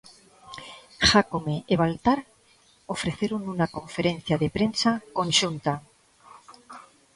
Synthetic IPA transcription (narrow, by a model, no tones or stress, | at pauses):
xakomeːβalt̪aɾ | o̞fɾe̞θje̞ɾonunako̞ɱfe̞ɾe̞n̟θjaðe̞pɾe̞nsako̞nʃunt̪a